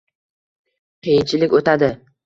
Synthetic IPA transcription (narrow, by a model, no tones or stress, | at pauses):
qʰejɪnt͡ʃʰɪlɪkʲot̪ʰad̪ɪ